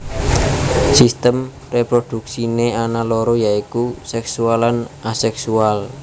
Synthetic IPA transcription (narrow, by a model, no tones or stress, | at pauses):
sist̪əm | repɾod̪̥ṳksineanaloɾɔjaikusɛksualanasɛksual